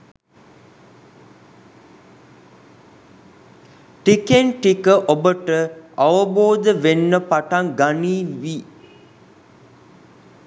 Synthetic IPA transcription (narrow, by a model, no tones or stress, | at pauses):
ʈikenʈikəʔobəʈəaʋəboːd̪əʋenːəpaʈaŋɡaniːʋi